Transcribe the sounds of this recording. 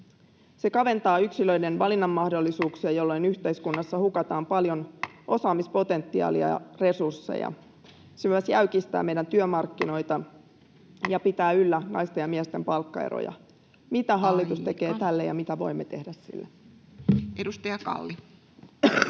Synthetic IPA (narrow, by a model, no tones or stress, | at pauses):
se̞kɑʋe̞nt̪ɑːyksilø̞jde̞nʋɑlinːɑmːɑhdo̞lːisuːksiɑjo̞lːo̞jnyçt̪e̞iskunːɑsːɑhukɑt̪ɑːmpɑljo̞nʔo̞sɑːmispo̞t̪e̞nt̪ːiɑ̰ːliɑ̰re̞sursːḛjɑ̰ | semyøsjæykist̪æ̰ːmejdænt̪yømɑrkːino̞jt̪ɑ | jɑpit̪æːylːænɑ̰jst̪e̞jɑmiɛst̪e̞mpɑlkːɑḛɾo̰jɑ̰ | mit̪æɦɑlːit̪ust̪e̞ke̞ːt̪ælːejɑ̰mit̪æʋo̞̰imːe̞t̪e̞hdæssḭlːe | ʔedust̪ɑjɑkɑ̰lːi